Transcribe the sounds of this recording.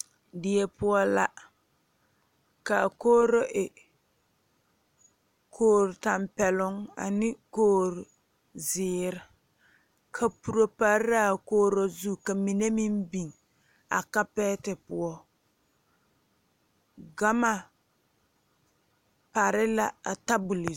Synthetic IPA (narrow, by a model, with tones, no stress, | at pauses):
dɪ˨ɛ˨pʊ˦ɔ˦la˦ | ka˨koː˦ɾo˦ʔɪ˨ | kʰoː˦ɾta˨mpɛ˨lʊ˦ŋa̰˨nɪ˦koː˦ɾʊ˨ | zɪː˨ɾɪ˦ | kʰa˨pu˨ɾo˨pa˨ɾa˦˨koː˦ɾo˦zu˦˨ka˨mi˨ne˦mi˦mbi˨ŋ | a̰˨ka˦pɛ˦tɪ˨pʊ˦ɔ˦ | ɡa˦ma˨ | pa˨ɾɪ˦la˨a˨ta˦bu˨li˨